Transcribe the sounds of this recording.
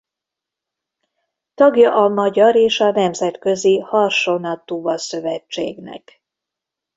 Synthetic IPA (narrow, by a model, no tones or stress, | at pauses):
t̪ɒɡjɒʔɒmɒɟɒɾeːʃɒnɛmzɛt̪kø̞zihɒrʃonɒt̪uːvɒsøvɛt͡ʃːḛːɡnɛ̰k